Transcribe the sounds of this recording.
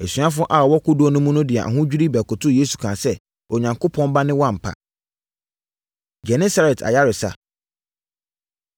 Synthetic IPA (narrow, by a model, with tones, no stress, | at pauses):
æ˨sɥa˦fʊ̃˦ʔa˨ɔ˨wɔ˦kʊ˦du˦ɔ˦nʊ̃˦mũ˦nʊ̃˦dɪ˨ɛ˨ʔa̰˨ɦʊ̃˦d͡ʑᶣi˦ɾi˦bɛ˨kʊ˨tʰʊ˦je˦su˨kʰãː˨sɛ˦ | ɔ˨ɲã˨ŋko˦pʰɔ̃˦n˦ba˦nɪ̃˦wã˦˨m̩˨pʰa̰˨ | d͡ʑɛ˨nɛ˦sa˦ɾɛ˨tʰa̰˨ja˦ɾɪ˨sa̰˦